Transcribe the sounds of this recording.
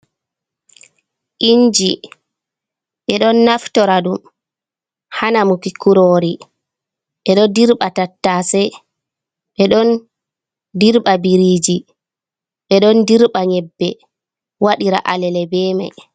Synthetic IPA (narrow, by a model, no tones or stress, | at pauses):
ʔind͡ʒi | ɓɛɗɔnːaftɔɾaɗum | hanamukikuɾoɾi | ɓɛɗɔdiɾɓatatːasɛ | ɓɛɗɔn | diɾɓabiɾiːd͡ʒi | ɓɛɗɔndiɾɓaɲɛbːɛ | waɗiɾa̰ʔalɛlɛbɛːmɛ̰